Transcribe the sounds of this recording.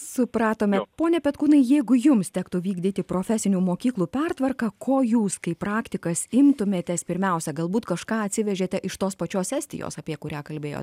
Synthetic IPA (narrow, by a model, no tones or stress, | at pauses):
sʊpɾɑːt̪oːmʲɛpoːnʲɛpʲɛt̪kuːnɐɪjɛɪɡʊjʊmst̪ʲækt̪ʊʋʲiːɡd̪ʲɪt̪ʲɪpɾoːfʲɛsʲɪnʲuːmoːkʲiːklˠuːpʲɛrt̪ʋɐrkɐkʰoːjuːskɐɪpɾɑːkt̪ʲɪkɐsɪmt̪ʊmʲeːt̪ʲɛspʲɪɾʲmʲɛʊsʲɛɡɐlˠbuːt̪kɐʃkɑːɐt̪ʲsʲɪʋʲɛʒʲeːt̪ʲɛʔɪʃt̪oːspɐt͡ʃʲoːsʲsʲɛːsʲt̪ʲɪ̰jo̰ːsɐpʲiɛkʊɾʲæːkɐlʲbʲeːjo̰ːt̪ʲ